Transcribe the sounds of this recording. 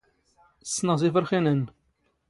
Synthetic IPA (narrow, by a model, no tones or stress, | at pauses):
sːnəʁzifəɾχinən